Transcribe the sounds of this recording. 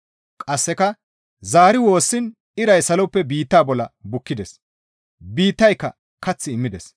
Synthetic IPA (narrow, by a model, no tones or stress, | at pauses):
kʼɐsːɛkɐ | zaːɾɪwo̞ːsːɪn | ɪɾɐjsɐlɔpːɛbiːt̪ːaːbɔlɐbʊkːɪd̪ɛs | biːt̪ːɐjkːɐ | kɐt͡sːɪːmːɪd̪ɛs